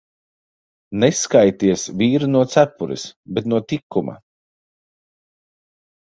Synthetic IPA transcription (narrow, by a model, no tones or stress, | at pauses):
neskajt̪iɛsvʲiːɾunuɔt̪sæpuɾḭsbɛt̪nuɔt̪ikʰːuma̰